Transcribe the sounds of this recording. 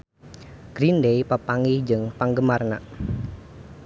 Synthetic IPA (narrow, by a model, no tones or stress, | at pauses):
ɡ̥ɾindejpəpaŋid͡ʒɨŋpaŋɡəmarna̰